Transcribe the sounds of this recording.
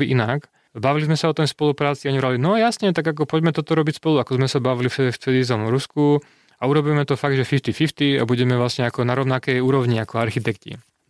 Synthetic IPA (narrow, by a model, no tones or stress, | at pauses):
iʔinak | baʋilizmɛsaɔt̪ɔjspɔlupɾaːt͡siaɲɾalinɔjasɲɛt̪aɡak̬ɔpɔɟmɛt̪ɔt̪ɔɾɔbicspɔluakɔzmɛsabaʋilifft̪ɛd̪izɔmɾusku | auɾɔbiːmɛt̪ɔfaɡ̚d̪ʒɛfift̪ifift̪ia̰buɟɛmɛvʋlasɲɛakɔnaɾɔʊnakɛjuːɾɔʊɲiakɔaɾxit̪ɛkcḭ